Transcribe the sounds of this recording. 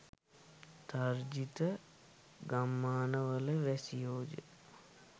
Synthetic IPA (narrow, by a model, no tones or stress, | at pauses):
t̪aɾd͡ʒit̪ə | ɡamːaːnəʋələʋɛsijoːd͡ʒə̰